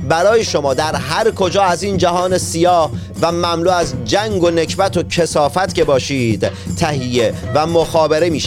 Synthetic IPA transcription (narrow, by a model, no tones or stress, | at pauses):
bæɾɒːjeʃo̞mɒːd̪æɾɦæɾkʰo̞d͡ʒɒːæziːnd͡ʒæɦɒːne̞sijɒːh | væmæmluːæzd͡ʒæŋɡo̞ne̞cʰbæt̪ʰo̞cʰe̞sɒːfæt̪ce̞bɒːʃiːd̪̥t̪ʰːæɦijevæmoxɒːbe̞ɾe̞miːʃ